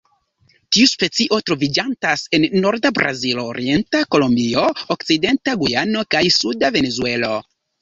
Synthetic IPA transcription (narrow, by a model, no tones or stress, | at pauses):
tiuspe̞t͡siʔo̞tɾo̞vid͡ʒantase̞nːo̞ɾdabɾʔa̰ziloːɾie̞ntako̞lombio̞okt͡side̞ntaɡujano̞kajsudave̞ne̞zue̞lo̞